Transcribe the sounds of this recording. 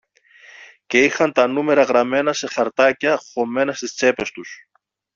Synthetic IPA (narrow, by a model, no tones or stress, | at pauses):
ce̞ixɐnt̪ɐnume̞ɾɐɣɾɐme̞nɐse̞xɐɾt̪ɐcɐxo̞me̞nɐst̪ist͡se̞pe̞st̪us